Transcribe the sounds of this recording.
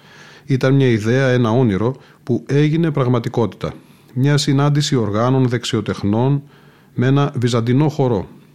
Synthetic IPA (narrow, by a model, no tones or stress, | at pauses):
it̪ɐnmɲɐiðe̞ɐe̞nɐo̞niɾo̞ | pue̞ʝine̞pɾɐɣmɐt̪iko̞t̪i̥t̪ɐ̰ | mɲɐsinɐnd̪isio̞ɾɣɐno̞nðe̞ksio̞t̪e̞xno̞n | mee̞nɐvizɐnd̪ino̞xo̞ɾo̞